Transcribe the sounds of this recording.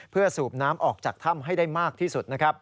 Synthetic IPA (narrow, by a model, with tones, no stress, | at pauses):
pʰɯ˥˩ɐsuː˨˩p̚naː˦˥mʔɔː˨˩k̚t͡ɕaː˨˩k̚t̪ʰa˥˩mɦa˥˩jda˥˩jmaː˥˩k̚t̪ʰiː˥˩su˨˩t̪̚na˦˥kʰɾa˦˥p̚